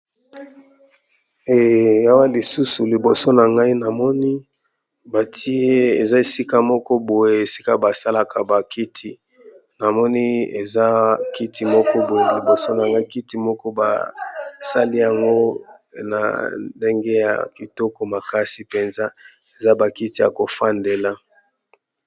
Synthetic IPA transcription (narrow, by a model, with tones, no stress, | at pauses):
e˨ja˦wa˦li˨su˦su˨li˨bo˨so˦na˨ŋɡa˦i˦na˨mɔ˦ni˦ | ba˨tʰi˦e˦e˨za˦e˨si˦ka˦mɔ˦kɔ˦bo˨je˦e˨si˦ka˦ba˨sa˦la˨ka˨ba˨ki˦tʰi˦ | na˨mɔ˦ni˦ḛ˨za˦ki˦tʰi˦mɔ˦kɔ˦bo˨je˦li˨bo˨so˦na˨ŋɡa˦i˦ki˦ti˦mɔ˦kɔ˦ba̰˨sa˦li˦ja˨ŋɡo˦na̰˨de˦ŋɡe˦ja̰˨ki˨tɔ˦kɔ˦ma˨ka˦si˨pe˨nza˦ | e˨za˦ba˨ki˦ti˦ja˨ko˨fa˦nde˨la˦